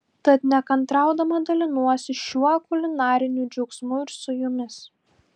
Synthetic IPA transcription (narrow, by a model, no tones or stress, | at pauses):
t̪ɐt̪nʲɛkɐnt̪ɾɑˑʊd̪ɐmɐd̪ɐlʲɪnuɔsʲɪʃʲuɔkʊlʲɪnɑːɾʲɪnʲuːd͡ʒʲʊksmʊɪɾsʊjʊmʲɪs